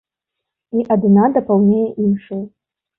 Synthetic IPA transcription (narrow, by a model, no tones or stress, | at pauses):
iʔad̪nad̪ɐpalˠnʲejɛʔimʂow